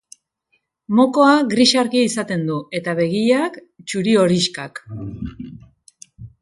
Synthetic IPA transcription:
mo̞ko̞aɣɾiʃaɾkiisat̪e̞nd̪ue̞t̪aβe̞ɣ̞iak | t͡ʃuɾio̞ɾiʃkak

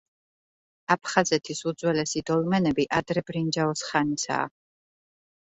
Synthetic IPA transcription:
apʰχazɛt̪ʰisud̪zwɛlɛsid̪ɔlmɛnɛbiʔad̪ɾɛbɾind͡ʒaɔsχanisa̰ː

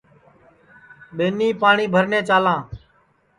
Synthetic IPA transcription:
ɓeːniːpaːɳiːbʱəɾneːt͡ʃaːlãː

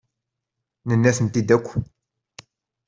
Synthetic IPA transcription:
nənːæθənt̪id̪ækʷː

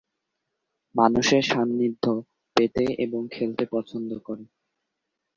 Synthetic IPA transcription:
manuʃeɾʃamːid̪ʱːo | pet̪eeboŋkʰelt̪epɔt͡ɕʰond̪okoɾe

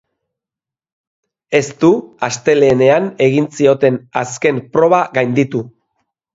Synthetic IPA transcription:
e̞st̪uast̪e̞le̞ːne̞ane̞ɣ̞insio̞t̪e̞naske̞mpɾo̞β̞aɣajnd̪it̪u

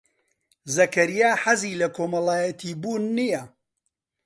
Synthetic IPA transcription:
zɐkɐɾijaːħaziːlɐkʰoːmɐlaːjɐt̪ʰiːbuːnːijɐ

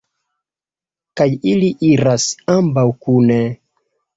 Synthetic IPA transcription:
kajiliʔiɾasambawkune

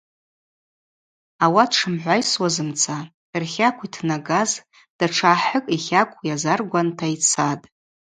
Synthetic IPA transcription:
awadʰʂɨmħʷajswazɨmt͡sʰa | rχʲakʷʰitʰnaɡaz | d̥aʈ͡ʂʰaːħəkʼiχʲakʷʰʼjazarɡʷantʰait͡sʰatʼ

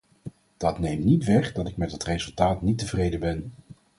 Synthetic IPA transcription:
d̥ɑtnejmnitʋɛχdɑtɪkmɛtətrejzɵlˠtaːtnitəvrejdəbɛn

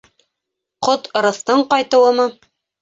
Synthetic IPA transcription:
qot̪ŏɾɤ̆θt̪ɤɴqɑjt̪ɤ̆wɤ̆mɤ

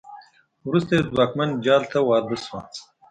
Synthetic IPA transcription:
wɾust̪ezwɑkmand͡ʒɑːlt̪ʰawɑːɾb̪əswɑ̰̃

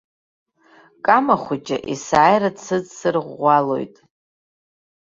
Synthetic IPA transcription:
kʼamaχʷʊd͡ʒʼa̰ʔisaːjrat͡sʰɨd͡zsɨrʁʷalo̞̰jtʼ

